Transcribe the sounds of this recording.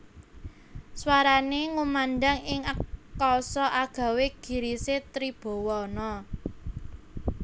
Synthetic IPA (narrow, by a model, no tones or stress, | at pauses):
swaɾaneŋumanɖaŋɪŋəkːɔsɔʔaɡ̥a̤weɡ̥i̤ɾiset̪ɾib̥o̤wɔnɔ